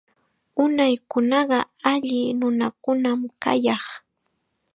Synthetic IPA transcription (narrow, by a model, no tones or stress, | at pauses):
ʊnajkʊnɑɢɑaʎɪnʊnakʊnamka̰jɑχ